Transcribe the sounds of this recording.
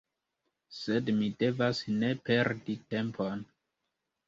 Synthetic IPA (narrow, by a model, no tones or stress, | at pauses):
se̞dmide̞vasne̞pe̞ɾdite̞mpʰon